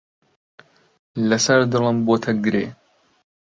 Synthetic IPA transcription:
lɐsɐɾd̪ɨlˠɨmboːt̪ʰɐɡɾḛː

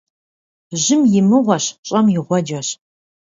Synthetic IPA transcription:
ʑɪmjɪmɨʁʷɔɕɕʼɐmjɪʁʷɔd͡ʒɐɕ

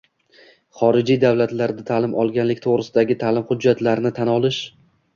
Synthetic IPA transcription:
χɒɾɪd͡ʒijd̪awlat̪laɾd̪at̪ʰaːlɪmʔɒ̰lˠɡʲanlɪk̚ʲt̪ʰoʁɾɪsɪd̪aɡʲɪt̪ʰaːlɪmχʊd͡ʒːat̪laɾnɪt̪ʰanɒlˠɪʃ

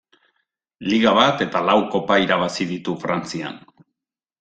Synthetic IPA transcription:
liɣaβat̪e̞t̪alawko̞paiɾaβ̞asiðit̪ufɾant͡sia̰n

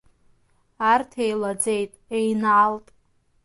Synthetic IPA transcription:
artʰejlad͡ze̞jtʼejnʕaltʼ

